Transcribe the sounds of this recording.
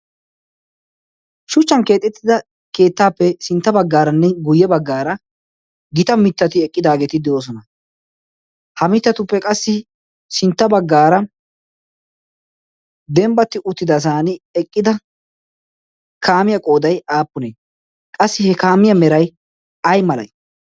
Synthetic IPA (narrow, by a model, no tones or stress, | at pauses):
ʃʊt͡ʃːɐnke̞ːt̪ʼːɛt̪ːɪd̪ɐ | ke̞ːt̪ːaːpːɛsɪnt̪ːɐbɐɡːaːɾɐnːɛɡʊjːɛbɐɡːaːɾɐ | ɡɪt̪ɐmɪt̪ːɐt̪ɪɛkʼːɪd̪aːɡeːt̪ɪd̪ɪwoːs̬ɔnɐ | hɐmɪt̪ːɐt̪ʊpːɛkʼɐsːɪ | sɪnt̪ːɐbɐɡːaːɾɐ | d̪ɛmbɐt̪ːɪʔʊt̪ːɪd̪ɐs̬aːnɪɛkʼːɪd̪ɐ | kʰaːmɪjɐkʼo̞ːd̪ɐjaːpːʊneː | kʼɐsːɪhɛkaːmɪjɐmɛɾɐj | ɐjmɐlɐ̰j